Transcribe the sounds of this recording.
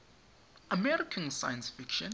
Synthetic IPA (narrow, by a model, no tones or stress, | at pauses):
ʔəmɛɹɪkʰə̃nsajə̃nsfɪkʃə̃n